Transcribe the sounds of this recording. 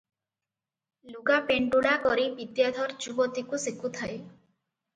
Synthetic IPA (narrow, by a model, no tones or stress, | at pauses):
luɡapeɳɖuɽakɔɾibid̪jad̪ʱɔɾd͡ʒubɔt̪ikusikʰut̪ʰaj